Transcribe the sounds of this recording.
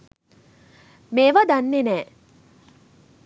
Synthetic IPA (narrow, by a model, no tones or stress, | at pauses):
meːʋad̪anːenɛː